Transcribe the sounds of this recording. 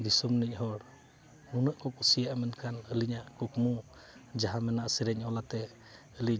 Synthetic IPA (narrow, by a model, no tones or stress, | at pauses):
d̪isɔmnic̚ɦɔɽ | nunəʔkɔkusijaʔamənkʰanəliɲaʔkukmu | d͡ʒaɦamɛnaʔsiɾɛɲɔlat̪ɛ | əli